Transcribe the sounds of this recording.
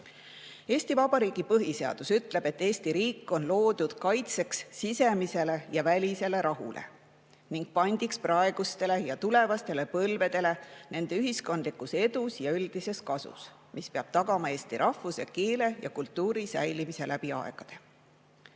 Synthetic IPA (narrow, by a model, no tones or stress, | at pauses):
eːst̪ivɑb̥ɑɾiːɡ̥ipɤɦise̞ɑ̰d̪̥usyt̪ːˑle̞b̥et̪ːe̞ːst̪iɾiːkːˑo̞nlo̞ːd̪̥ud̪̥kɑjt̪se̞ksːise̞mise̞le̞jɑvælʲise̞le̞ɾɑɦṵlʔḛ | niŋɡ̥̚pɑnʲd̪̥iksprɑe̞ɡ̥ust̪e̞le̞jɑt̪ule̞vɑst̪e̞le̞pɤlve̞d̪e̞le̞ne̞nd̪̥e̞yɦisko̞nd̪likːˑuse̞d̪usjɑyld̪̥ise̞skɑsṵs | mispe̞ɑb̥t̪ɑɡɑmɑe̞ːst̪iɾʔɑfːuse̞̰keːle̞jɑ̰kult̪ːˑuːɾisæjlimise̞lʔæb̥iɑ̰eɡ̥ɑd̪̥e̞̥